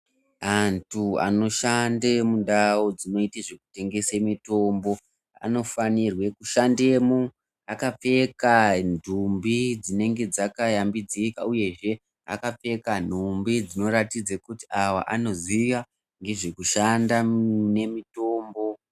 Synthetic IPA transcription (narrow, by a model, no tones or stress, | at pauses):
antua̰no̞ʃandemunɗawod͡zino̞iteʐeku̥te̞ŋɡe̞semito̞mbo̞ | a̰no̞fanirwe̞kuʃande̞ːmu | akap͡fe̞kandʱumbid͡zine̞ŋɡe̞d͡zakajambid͡zikauje̞ʐe̞ | a̰kap͡fe̞kan̤umbid͡zino̞ɾatid͡zakuti̥ʔawa̰ʔano̞ziʋa | ŋɡe̞ʐekuʃandane̞mito̞ːmbo̞